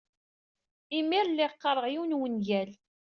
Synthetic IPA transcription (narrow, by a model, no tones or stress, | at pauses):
imiɾlːɪqːəɾˤəʁjiwnwənjæl